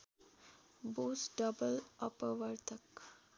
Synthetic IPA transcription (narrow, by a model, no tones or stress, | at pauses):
boːsɖɐbəlɐpəʋɐɾt̪ɐk